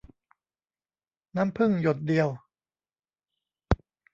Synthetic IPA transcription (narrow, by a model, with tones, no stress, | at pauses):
naː˦˥mpʰɯ˥˩ŋjo˨˩t̪̚di˧əw